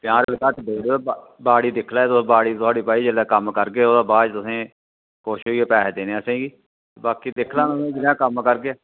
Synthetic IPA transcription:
t̪ɪjãːɾəlkaːt̪deːɽe | baːɽiːd̪ɪkʰlaːt̪ʊbaːɽiːt̪ʊaːɽiːpaːiːd͡ʒəlãːkəmkəɾkeːoːd̪aːbaːd͡ʒt̪ʊsẽː | koːʃɪoɡeːpɛːd̪eːneːasẽːɡiː | baːkiːd̪ɪkʰlãːnʊsẽːd͡ʒɪljãːkəmkəɾkeː

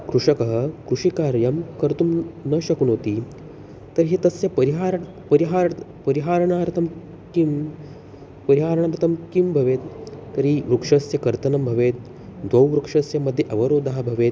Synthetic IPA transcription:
kɾuʂɐkɐɦəkɾuʂikaɾjɐmkəɾt̪uːmnəɕɐkuːnɦot̪iː | t̪əɾɦet̪ɐsjɐpəɾiɦaɾ | pɐɾiɦaɾpɐɾiɦaɾɳaɾt̪ʰɐm | kim | pɐɾiɦaɾɳaɾt̪ʰɐmkimbʱɐʋet̪ːəɾiːʋɾukʂɐsjɐkɐɾt̪ɐnɐmbʱɐʋet̪̚ | d̪ʋɐwʋɾukʂɐsjɐmːəd̪ʱjeʔɐʋɐɾoːd̪ʱaɦabʱɐʋet̪̚

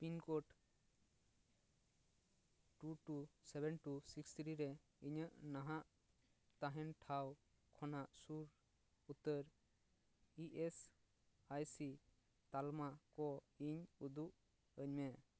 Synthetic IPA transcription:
pinkɔʈ | ʈuʈusɛbɛnʈusikst̪ʰɾiɾɛ | iɲəʔnaɦaʔ | t̪aɦɛnʈʰaw | kʰɔnaʔsuɾ | ut̪əɾ | iʔes | ajsi | t̪almakɔiɲud̪uʔ | əɲmɛ

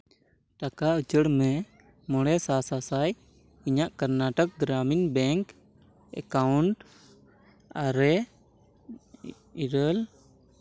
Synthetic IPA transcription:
ʈakaut͡ʃəɽmɛ | mɔɽ̃ɛsasasaj | iɲaʔkəɾnaʈək̚ɡɾaminbɛŋk | ɛ̰kauɳʈ | aɾɛ | iɾəl

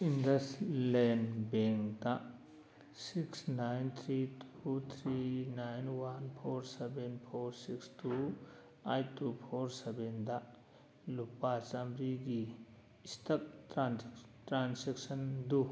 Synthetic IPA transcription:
indɐslenbeŋkkdɐ | siksnajnt̪ʰɾitʰut̪ʰɾinajnwanpʰoɾsebenpʰoɾsikstu | ajtupʰoɾsebendɐ | lupat͡ʃamɾiɡiː | stɐk̚tɾantɾanseksɐndu

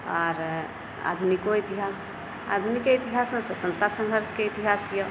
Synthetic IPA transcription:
ɔɾ | a̰d̪ʱunikoit̪iɦas | a̰d̪ʱunikeit̪iɦasmeswət̪ənt̪asə̃nd̪ʱəɾskeit̪iɦasjo

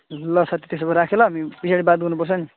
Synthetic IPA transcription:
lʌsat̪it̪esobʌɾakʰelʌɦʌmibisaɽibad̪ɡʌnupʌrt͡sʰʌni

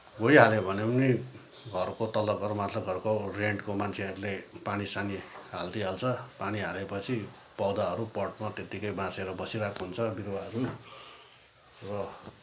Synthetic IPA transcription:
ɡojɦalebʱʌnepʌni | ɡʱʌrkot̪ʌlʌʌɾmat̪ʰlʌɡʱʌrkoreɳʈkomant͡sʰeʌɾulepanisaniɦa̰ld̪iɦalt͡sʰʌpaniɦalepʌt͡sʰi | pʌwd̪aʌɾupʌrʈmat̪et̪ikʌjbãt͡seɾʌbʌsiɾakʰoɦunt͡sʰʌbiɾwaɦʌɾu | rʌ

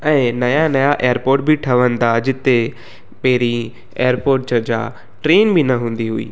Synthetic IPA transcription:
ɛ̃ːnɐjanɐjaʔeːjəɾpoːɾʈ̚bʱiʈʰɐʋənd̪ad͡ʑɪt̪e | pɛɦɾi | ḛːəɾpoːɾʈ̚d͡ʑɐd͡ʑa̰ | ʈɾeːnbʱinɐɦũːnd̪iɦuḭː

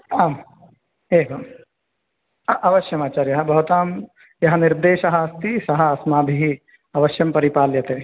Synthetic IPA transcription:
aːm | eːʋɐm | ʔɐʋɐʃjɐmaːt͡ʃaɾjɐɦɐbʱɐɦut̪aːm | jɐɦɐnɪɾd̪eːʃɐɦɐɐst̪isɐɦɐɐsmaːbʱiɦi | ɐʋɐʃjɐmpɐɾipaːljɐt̪eː

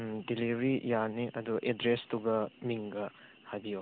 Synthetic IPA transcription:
dilibɾijaniʔɐduʔedɾestuɡɐmiŋɡɐ | hadijo

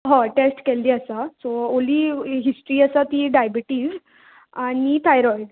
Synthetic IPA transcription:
ɦãʈesʈkelːiːəsasɔoliːɦisʈɾiːasat̪iɖajbiʈiːz | anit̪ʰajɾɔiɖ

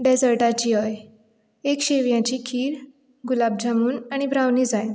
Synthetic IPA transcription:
ɖɛd͡zəɾʈat͡ɕiːɦəj | ekɕeʋjãt͡ɕiːkʰiːɾ | ɡulab̚d͡ʑʱamuːnaɽ̃ibʱɾaʋniːd͡zaj

